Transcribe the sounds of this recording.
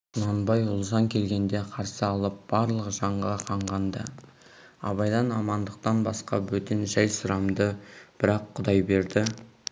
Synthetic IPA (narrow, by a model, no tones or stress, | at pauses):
ʊnɑnbɑjʊlˠzɑŋkʲʰe̞lɡʲe̞nd̪e̞qʰɑɾsəɑlˠəp̚b̥ɑɾlˠəqʒɑɴʁɑqʰɑɴʁɑnd̪ə | ɑ̰βɑjd̪ɑnɑmɑnd̪əqt̪ɑnbɑsqɑwɵt̪enʒæjsʊɾɑmd̪əb̥ɪɾɑqʰːʊd̪ɑjbe̞ɾd̪ɪ